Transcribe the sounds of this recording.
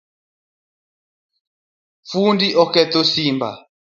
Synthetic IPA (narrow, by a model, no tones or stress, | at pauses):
fundiʔɔkɛt̪ɔsimba̰